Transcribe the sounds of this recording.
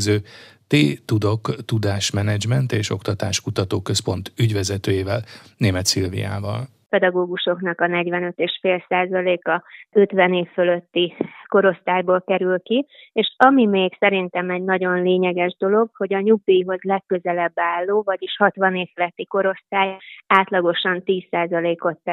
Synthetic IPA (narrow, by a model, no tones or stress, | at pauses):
zøːt̪eːt̪ud̪o̞kt̪ud̪aːʃmɛnɛd͡ʒmɛnt̪eːʃo̞̰kt̪ɒt̪aːʃkut̪ɒt̪oːkøspo̞nt̪yɟvɛzɛt̪øːjeːvɛlneːmɛt̪silvḭja̰ːvɒ̰l | pɛd̪ɒɡoːɡuʃo̞knɒkɒnɛɟvɛnø̞t̪eːʃfeːlsaːzɒleːkɒøt̪ʋɛneːfːøløt̪ːiko̞ɾo̞st̪aːjboːlkɛɾylki | eːʃɒmimeːksɛɾint̪ɛmɛɟnɒɟo̞nleːɲɛɡɛʒd̪o̞lo̞ɡho̞ɟɒɲuɡ̚d̪ijiɦo̞zlɛkːøzɛlɛbːaːlːoːvɒɟiʃhɒt̪ʋɒneːfølɛt̪ːiko̞ɾo̞st̪aːjaːt̪lɒɡo̞ʃɒnt̪iːsːaːzɒleːkot̪ː